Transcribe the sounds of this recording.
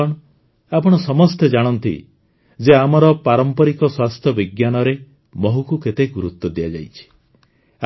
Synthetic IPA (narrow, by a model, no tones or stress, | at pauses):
ɔɽ̃ | apɔɽ̃ɔsɔmɔst̪ed͡ʒaɽ̃ɔnt̪ḭ | d͡ʒeamɔɾɔpaɾɔmpɔɾikɔswast̪ʰjɔbiɡjanɔɾe | mɔɦukuket̪eɡuɾut̪wɔd̪ijad͡ʒa̰jt͡ʃʰi̥